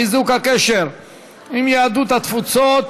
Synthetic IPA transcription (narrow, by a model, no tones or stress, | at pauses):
izukhakeʃeʁ | imjaːd̪ut̪hat̪fut͡sot̪